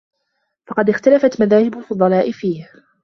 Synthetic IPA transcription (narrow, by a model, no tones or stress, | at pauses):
fɑqɑd̪ɪxt̪alafat̪maðaːhɪbʊlfʊd̪ˤɑlɑːʔɪfiːh